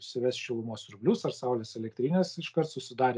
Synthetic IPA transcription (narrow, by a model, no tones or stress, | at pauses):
sʲɪʋʲæsʃʲɛlˠʊmuɔsɾʊbʲlʲʊsɐɾsɐʊlʲeːsɛlʲɛk̚t̪ʲɾʲiːnʲeːsɪʃkɐɾt̪sʊsʲɪd̪ɑːɾʲ